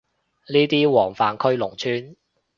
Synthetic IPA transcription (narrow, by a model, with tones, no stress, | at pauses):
niː˥t̪iː˥wɔː˨˩ŋfaː˨˩nkʰɵ˥ɥlʊ˨˩ŋt͡ʃʰyː˥n